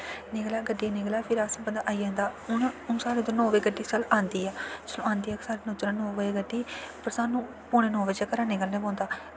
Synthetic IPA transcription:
nɪɡlaːɡəɖiːnɪɡlaːpʰɪɾaːsãpənd̪aːʔaːiːd͡ʒãːnd̪aːʊnʊnsaːɾed̪onɔ̃ːʋeːɡəɖːiːsalaːnd̪iːaːsəlõãːnd̪iːaːksaːɾeːnoːd͡ʒɾãːnoːʋeːɡəɖːiːpəɾsaːnːũː | poːɽ̃eːnɔːʋəd͡ʒaːkəɾãːneɡəlːneːbõːnd̪aː

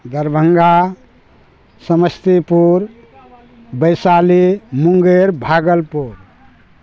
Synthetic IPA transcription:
d̪əɾbʱəŋɡa | səməst̪ipuɾ | bəjsalimuŋɡeɾbʱaɡəlpuɾ

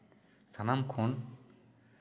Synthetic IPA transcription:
sanamkʰon

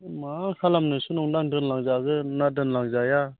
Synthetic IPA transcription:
makʰalamnɯsunɔŋdaŋdɯnlaŋzaɡɯnadɯnlaŋzaja

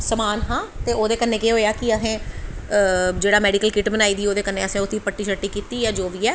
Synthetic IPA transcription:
səmaːnɦãːt̪eːoːd̪eːkənːẽːkeɦoːjaːkɪəsẽː | d͡ʒeːɽaːmɛːɖikəlkɪʈbənaːiːd̪iːoːd̪eːkənːẽːəsẽːʊt̪ʰːiːpəʈːiːʃəʈːiːkiːt̪iːjaːd͡ʒoːʋiːɛː

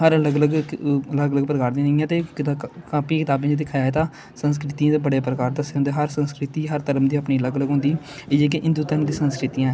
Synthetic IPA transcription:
ɦəɾələɡələɡələɡələɡ̚pəɾəkaːɾd̪ĩːnəjãːt̪eːk̪ːkaːpiːkɪt̪aːbẽːd͡ʒd̪ɪkʰaːjaːeːt̪aː | səns̬kɾɪt̪iãːt̪eːbəɽeːpɾəkaːɾd̪əseɦõnd̪eːɦəɾsənskɾɪt̪iːɦəɾt̪əɾmd̪iːəpniːələɡləɡɦʊ̃nd̪iː | eːkɪʔɪ̃nd̪uːt̪əɾəmd̪iːsənskɾɪt̪ijã

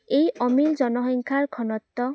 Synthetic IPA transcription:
ejɔmild͡ʒɔnɔɦiŋkʰaɹkʰɔnɔt̪ːɔ

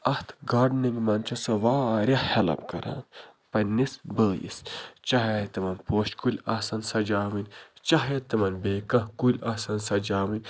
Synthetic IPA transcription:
ɐht̪ʰɡaːɾɖniŋɡmɐnt͡ʃʰɐsoʋaːɾʲɐhelɐ̰pkɐɾa̰ːn | pɐnisbəːjḭst͡ʃɐɦet̪imɐnpoːʃkulʲaːsɐnsɐd͡ʒaːmɨnʲt͡ʃɐɦet̪imɐnbeːkɐ̃kulʲasɐnsɐd͡ʒaːmɨnʲ

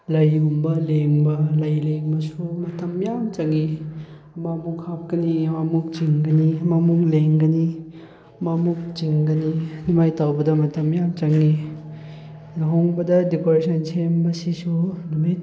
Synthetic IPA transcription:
lɐjumbɐleŋbɐlɐjleŋbɐsumɐtɐmjamt͡ʃɐŋi | mamukhap̚kɐnimamuk̚t͡ʃiŋɡɐnimamukleŋɡɐni | mamuk̚t͡ʃiŋɡɐninimajtawbɐdɐmɐtɐmjamt͡ʃɐŋi | nɦoŋbɐdɐdikoɾesʰɐnsʰembɐsisunumit̚

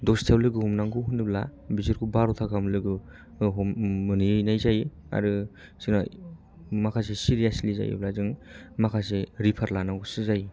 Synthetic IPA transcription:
dɔstʰawlɯɡɯhumnaŋɡɯɦunɯblabizɯɾkʰubaɾot̪ʰakʰamlɯɡɯ | ɦɯniɯjnajzaj | a̰ɾɯ | sɯna | makʰas̬esiɾijasliza̰jɯ̰blazɯŋmakʰaseɾipʰaɾlanaŋɡusɯzaj

